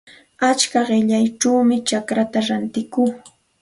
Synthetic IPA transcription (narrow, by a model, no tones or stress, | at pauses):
at͡ʃkaɢɪʎajʈ͡ʂawmɪt͡ʃakɾat̪aɾant̪ɪkuː